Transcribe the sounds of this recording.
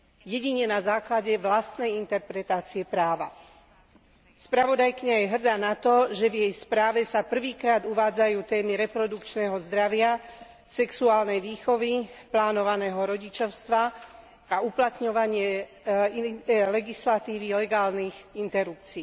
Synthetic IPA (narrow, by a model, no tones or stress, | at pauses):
jɛɟiɲɛnazaːklaɟɛʋlast̪nɛjint̪ɛɾpɾɛt̪aːt͡siɛpɾaːʋa̰ | spɾaʋɔd̪ajkiɲajɛɦr̩d̪aːnat̪ɔʒɛvjɛjspɾaːʋɛsapr̩ʋiːkɾaːd̪uʋaːd͡zajuːt̪ɛːmiɾɛpɾɔd̪ukt͡ʃnɛɦɔzd̪ɾaʋɪa | sɛksuaːlnɛjʋiːxɔʋiplaːnɔʋanɛːɦɔɾɔɟit͡ʃɔʊst̪ʋa | auplat̪ɲɔʋaɲɪɛ | lɛɡislat̪iːʋilɛɡaːlniːxint̪ɛɾup̚t͡siː